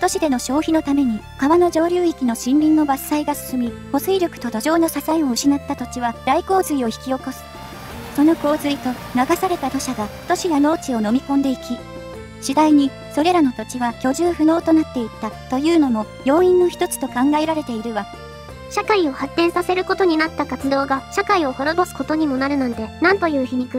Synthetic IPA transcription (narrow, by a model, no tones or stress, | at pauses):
t̪o̞ɕid̪e̞no̞ɕo̞ːçino̞t̪ame̞ɲ̟i | kaβano̞d͡ʑo̞ːɾʲɨːikʲino̞ɕĩnɾʲĩnːo̞basːaiɡasɨ̥sɨmʲiho̞sɨiɾʲo̞kɯ̟̥t̪o̞d̪o̞ʑo̞ːno̞sasaio̞ɯ̟ɕinat̪ːat̪o̞t͡ɕiβaɾaiko̞ːzɨio̞çi̥kʲio̞ko̞sɨ̥ | so̞no̞ko̞ːzɨit̪o̞ | naɡasaɾe̞t̪at̪o̞ɕaɡat̪o̞ɕijano̞ːt͡ɕio̞no̞mʲikõ̞nd̪e̞ikʲi | ɕid̪aiɲ̟i | so̞ɾe̞ɾano̞t̪o̞t͡ɕiβakʲo̞ʑɨːɸɯ̟no̞ːt̪o̞nat̪ːe̞it̪ːat̪o̞jɯ̟ːno̞mo̞ | jo̞ːĩnːo̞çi̥t̪o̞t͡sɨ̥t̪o̞kãŋɡae̞ɾaɾe̞t̪e̞iɾɯ̟βa | ɕakaio̞hat̪ːẽɰ̃sase̞ɾɯ̟ko̞t̪o̞ɲ̟inat̪ːakat͡sɨd̪o̞ːɡaɕakaio̞ho̞ɾo̞bo̞sɨ̥ko̞t̪o̞ɲ̟imo̞naɾɯ̟nãnt̪e̞nãnt̪o̞jɯ̟ːçiɲ̟ikɯ